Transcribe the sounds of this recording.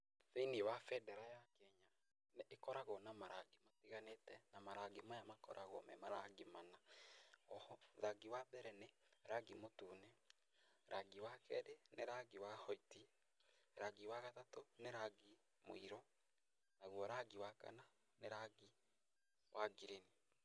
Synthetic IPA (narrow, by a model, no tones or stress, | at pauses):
seiniwafɛdɛɾajakɛɲa | neekɔɾaɣɔnamaɾaɡematiɣanetɛnamaɾaɡemajamakɔ̰ɾʔaɣɔ̰mɛ̰maɾaɡimanaɔhɔðaɡiwaðɛɾɛneɾaɡimotuːne | ɾʔaɡiwakɛɾeneɾaɡiwahɔiti | ɾaɡiwaɣatatoneɾaɡi | mo̰iɾɔ | naɣwɔɾaɡiwaka̰na | neɾaɡi | wʔaɡiɾeni